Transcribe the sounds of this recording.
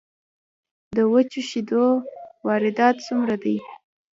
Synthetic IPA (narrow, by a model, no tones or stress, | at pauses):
d̪əwət͡ʃuʃid̪owɑɾɪd̪ɑt̪sumɾad̪aj